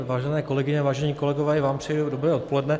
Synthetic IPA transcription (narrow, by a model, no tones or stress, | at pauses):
vaːʒɛnɛːko̞lɛɡɪɲɛvaːʒɛɲiːko̞lɛɡovɛːvaːmpr̥ɛjɛdudobɾɛːot̪̚po̞lɛdnɛ